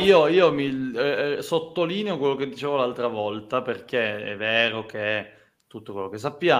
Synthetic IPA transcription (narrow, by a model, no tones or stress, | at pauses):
iːoiːomi | sot̪ːoliːneokwelːoked̪ːit͡ʃeːvolalt̪ɾavɔlt̪aperk̟eɛ̰vːɛːɾok̟eɛ | t̪ut̪ːokwelːokes̬ːapːja